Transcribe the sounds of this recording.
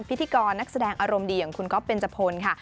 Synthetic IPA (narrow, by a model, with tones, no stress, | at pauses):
pʰi˦t̪ʰːi˨˧kɔː˧nːa˦˥k̚sa˧dɛː˧ŋʔaː˧ɾo˧mdiː˧ja˨˩ŋkʰu˧nkʰɔ˦˥pːe˧nt͡ɕa˧pʰoː˧nkʰa˥˩